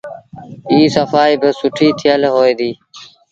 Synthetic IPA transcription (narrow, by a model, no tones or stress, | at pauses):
iːsəfaːiːbəsʊʈʰiːt̪ʰɪjəlɦoːeːd̪iː